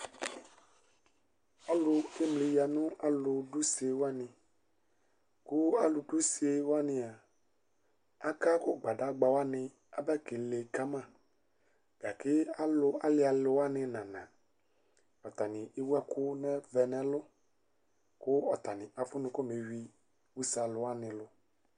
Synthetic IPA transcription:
a˦lʊ˦e˦mlɪ˨ja˨nʊ̃˦a˨lʊ˨dʊ˦se˨wa˦nɪ̃˨ | kʊ˦a˦lʊ˨du˦si˨˦e˨˦wa˦nɪ̃˨a˨ | a˦ka˦kʊ˦˨ɡ͡ba˨da˦ɡ͡ba˨wa˦nɪ̃˨ | a˨bɛ˦kɪ˨le˨ka˦mã˦˨ | ɡ̥a˨kɪ˦a˦lʊ˦a˦lɪ˦a˨lʊ˨wa˦nɪ̃˨nã˨nã̰˨ | ɔ˨t̪a˨nɪ̃˨ɪ˦wɛ˦kʊ˦nɛ̃˦vɛ˨nɛ̃˦lʊ˦ | kʊ˦ɔ˨t̪a˨nɪ̃˨ʔa˨fʊ˦nʊ̃˦kɔ˦me˨wi˨ | wu˦sa˨lʊ˨˦a˦nɪ̃˨lʊ˦

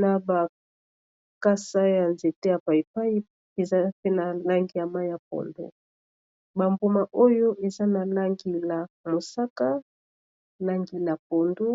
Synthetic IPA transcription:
na˨ba˨ | ka˦sa˦ja˨nze˨te˦ja˨pa˨i˨pa˦i˦ | e˨za˦pe˦na˨la˦ŋɡi˦ja˨ma˦jja˨p̚o̰˨ndo̰˦ | ba˨mbo˨ma˨ʔo˦jo˦ʔe˨za˦na˨la˦ŋɡi˦la˨mo˨sa˦ka˦ | la˦ŋɡi˨la˨p̚o˨ndo˦

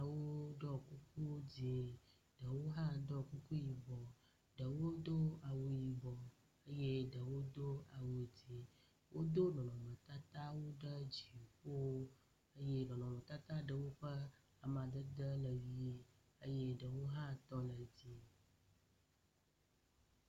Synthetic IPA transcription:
a˨wo˦ɖɔ˦ku˦k̚u˦d͡ʑi˨ | ɖ̥ə˨wo˦ɦã˦d̪ɔ˦ku˦ku˦ji˨bɔ˨ | ɖə˨wo˦d̪o˦a˨wu˨ji˨bɔ˨ | ə˦je˦ɖə˨wo˦d̪o˦a˨wu˨d͡zi˨ | wʔo˦d̪o˦ɖɔ˨nɔ̃˨mə̃˨t̪a˦t̪a˦wo˦ɖə˦d͡ʑi˨ɸo˦ | ə˦je˦ɖɔ̃˨nɔ̃˨mə̃˨t̪a˦t̪a˦ɖə˨wo˦ɸə˦ | a˨mã˨d̪ə˦d̪ə˦lə˨vi˨˦ | ə˦je˦ɖə˨wo˦ɦã˦t̪ɔ˦lə˨d͡ʑi˨

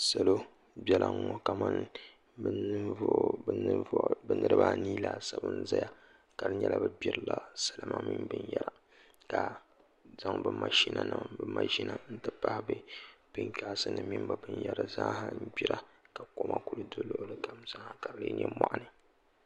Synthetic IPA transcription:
sa˨lo˦ | bjɛ˦la˨˦ŋɔ˨ka˨ma˦n | bnɨ˦ | bɨ˦nɨ˦ɾɨ˦ba˦niː˦la˨sa˨bɨ˦n˦za˦ja˨ | ka˨ɾɨ˦ɲɛ˦la˨bɨ˦bʲɛ˨ɾɨ˨la˨sa˨la˨ma˦mi˦mbɨ˦njɛ˦ɾa˨ | ka˨ | za˦ŋbɨ˦ma˨ʃi˦na˨nɨ˨mbɨ˦ma˨ʃi˦na˨n̩˦tɨ˦pa˦hɪ˦bɨ˦b̥ɨ˦ŋka˨ʔsɨ˦nɨ˨mi˦m˦ba˨bɨ˦njɛ˨ɾɨ˨za˦ha˦m̩˦bi˦ɾa˦ka˨ko˦mʔa˦ku˦lɨ˦do˦lo˦˨ʔʊ˦lɨ˦ka˨mza˦ha˨ka˨ɾɨ˨lɨ̰˦n˦ɛ̰˦ma˨ʔa˦nɨ˦˨

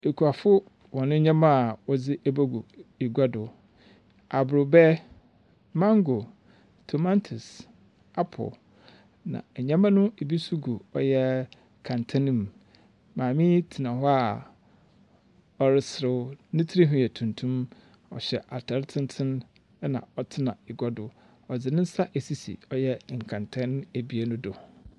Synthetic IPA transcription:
e˨kʰu˨a˨fʊ˦ | wɔ˨nʊ̃˦ɲã˦mã˦˨wɔ˦d͡zɪ˦ʔɛ˦ba˦ɡu˨i˨ɡa˦dʊ˨ | a˨bʊ˨ɾʊ˨bɛ˦ | mã˦ŋ˦ɡo˨ | tʰo˨mã˦ntʰʊ˨s | a˦pʰɔ̰˨l | nã̰˨ɛ˨ɲã˦mã˦nʊ̃˦e˨bi˦su˦ɡu˨ɔ˦jɛ˦ | kʰã˨ntʰã˦nĩ˦˨m˨ | mãː˨mĩ˦tʰɪ˨nã˨ɦɔ˦a˨ | ɔ˨ɾɪ˨sɾɪ˦nʊ̃˦tʰi˦ɾi˦ɦʊ̃˦jɛ˨tʰũ˨ntʰũ˦m | ɔ̰˨ɕɛ˨ʔa˨tʰɛ˨ɾɪ˦tʰɪ̃˦n˦tʰɪ̃˦n˦ | nã̰˨ɔ˨tʰɪ˦nã̰˨ɪ˨ɡɔ˦dʊ˨ | ɔ˨d͡zɪ˨nɪ̃˦n̩˦sa˦ʔe˨si˦sḭ˨ɔ˦jɛ˦ŋ̩˨kʰã˨ntʰã˦n˦æ˨bi˦a˦nʊ̃˦dʊ˨

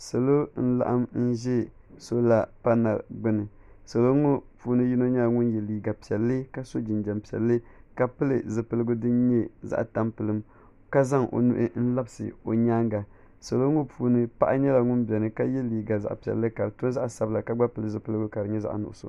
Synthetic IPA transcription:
sa˨lo˦n̩˦la̰˦ʔa˦mn̩˦ʒɛ˦ | so˦la˨pa˦na̰˨ɾɡ͡bɨ˦nɨ˨ | sa˨lo˦ŋo˦puː˨˦nɨ˦ji˦no˦ɲɛ˦la˨ŋʊ˦njɛ˨liː˨ɡa˨pi˨ɛ˨lːɨ˦ka˦so˦d͡ʒi˨nd͡ʒɛ˨mpi˨ɛ̰˨lːɨ˦ka˨pɨ˦lɨ˨zɨ˨pɨ˦lɨ˦ɡʊ˦dɨ˦nɲɛ˦za̰˦ʔta˦mpɨ˨lɨ˦m | ka˦za˦ŋʔo̰˨nṵ˦ʔɪ̰˦n̩˦la˦bsɨ̰˨o˨ɲaː˦ŋɡa˨ | sa˨lo˦ŋo˦puː˨˦nɨ˦pa˦ʔa˦ɲɛ˦la˨ŋʊ˦nbɛ˨nɨ˨ka˦jɛ˦liː˨ɡa˨za̰˨ʔpi˨ɛ̰˨lːɨ˦ka˨ɾɨ˨tʊ˦za˦ʔsa˨bɨ˦la˨ka˦ɡ͡ba˦pɨ˦lɨ˨zɨ˨pɨ˦lɨ˦ɡʊ˦ka˨ɾɨ˨ɲɛ˦za̰˦ʔnʊ̰˨ʔʊ̰˨so̰˨

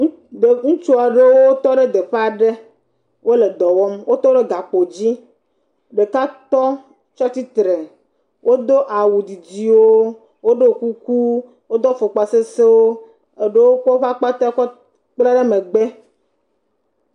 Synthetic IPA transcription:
d̪e˨ŋũ˦t͡ʃu˦a˨ɖe˦wo˦wo˦t̪ɔ˦ɖe˦d̪e˨ɸa˦ɖe˦ | wo˦le˨d̪ɔ˨wɔ˦mwo˦t̪ɔ˦ɖe˦ɡa˨k͡po˨d͡ʑi˦ | ɖe˨ka˦t̪ɔ˦ | t͡ʃɔ˦t̪i˦t̪ɾe˨ | wʔo˦d̪o˦ʔa˨wu˨d̪i˨d͡ʑi˦wo˦ | wo˦ɖo˦ku˦ku˦ | wo˦d̪ɔ˦fo˨k͡pa˨se˦se˦wo˦ | e˨ɖe˦wo˦k͡pɔ˦ɸa˦k͡pa˦t̪a˦kɔ˦ | k͡pla˦ɖe˦me˨ɡ͡be˦

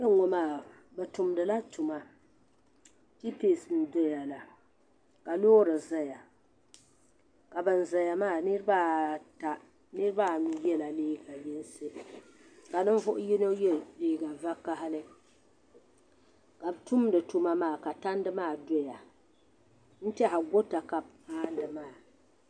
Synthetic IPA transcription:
a˦ŋo˦maː˦˨ | bɛ˨tu˨mdɨ˨la˦tu˨ma˨ | i˦peː˨sɨ˨m˨dɔ˦ja˨la˨ | ka˨loː˦ɾɨ˨za˦ja˨ | ka˨bɨ˨n̩˨za˨ja˨maː˦˨nɨ˦ɾba˦ta˦ | nɨ˦ɾɨ˦ba˦jɛ˦la˨leː˦ɡa˨ji˦n˦sɨ˦ | ka˨nɨ˦ɱ˦vʊ˦ʔʊ˦ji˦no˦jɛ˦leː˦ɡa˨va˦ka˦ha˦lɨ˦ | ka˨btu˦m˦dɨ˨tu˦ma˦maː˦˨ka˨ta˦n˦dɨ˦maː˦˨do˦ja˨ | n̩˦tɛ˦ha˨ɡo˦ta˨ka˨bpaː˦ndɨ˨maː˦˨

